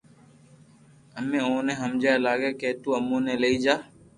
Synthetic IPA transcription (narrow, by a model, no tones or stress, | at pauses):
əmẽːõːnẽːɦəmd͡ʒaːlaːɡeːkeːt̪uːəmːoːnẽːleːiːd͡ʒaː